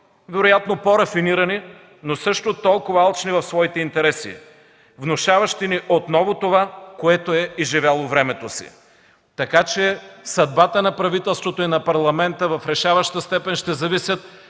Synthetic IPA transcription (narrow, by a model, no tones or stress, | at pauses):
vɛɾojat̪nopoɾɐfiniɾɐni | nosɤʃt̪ot̪ɔlˠkovɐalˠt͡ʃnivɐfsvɔit̪ɛint̪ɛɾɛsḭ | vnoʃavɐʃt̪iniʔot̪nɔvot̪ovakoɛt̪oɛiʒivʲalˠovɾɛmɛt̪osḭ | t̪ɐkat͡ʃɛsɐd̪̚bat̪ənɐpɾɐvit̪ɛlˠst̪vot̪oinɐpɐɾlˠɐmɛnt̪əvɐfɾɛʃavɐʃt̪əst̪ɛpɛnʃt̪ɛzɐvisʲjət̪̚